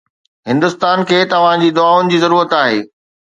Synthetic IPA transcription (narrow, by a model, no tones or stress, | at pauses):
ɦɪ̃nd̪ʊst̪aːnkʰeːt̪ɐʋ̤ãd͡ʑiːd̪ʊaːʊnɪ̆d͡ʑiːzɐɾuːɾət̪aːɦeː